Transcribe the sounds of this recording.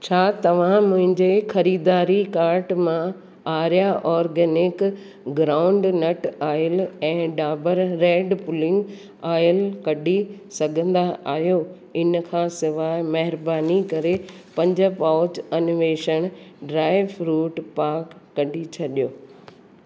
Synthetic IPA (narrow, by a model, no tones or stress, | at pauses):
t͡ɕʰaːt̪ɐʋ̤ãmʊ̃ɦɪ̃ɲd͡ʑexɐɾiːd̪aːɾikaːɾʈmã | aːɾjaʔɔːɾɡɛːnɪk | ɡɾãːʊ̃ɳɖnɐʈaːjəlɛ̃ːɖaːbəɾːeːɖpʊlɪ̃ŋɡ | aːjəlkɐɖʱisɐɡʱə̃nd̪aʔaːɦjo | ɪnkʰãːsɪʋaːmɐɦɪɾbaːnikɐɾepɐ̃ɲd͡ʑəpaːʊd͡ʑɐnʋeːʃəɽ̃ɖɾaːɪʋɾuːʈpaːɾkːɐɖʱit͡ɕʰɐɗijoː